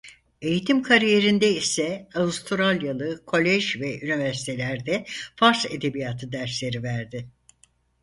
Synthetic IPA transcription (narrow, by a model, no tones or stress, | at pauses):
e̞jit̪ʰimkʰaɾije̞ɾind̪ɛisɛaust̪ʰɾalʲjalˠɯkʰo̞lʲɛʒvɛynivæɾsi̥t̪ʰe̞lʲæɾd̪ɛfaɾse̞d̪e̞bijat̪ʰɯd̪æɾslʲe̞ɾivæɾd̪ɪ